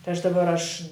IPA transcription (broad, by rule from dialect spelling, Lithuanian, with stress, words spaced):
tɐɪ ˈɐʃ dɐˈbɐr ˈɐʃ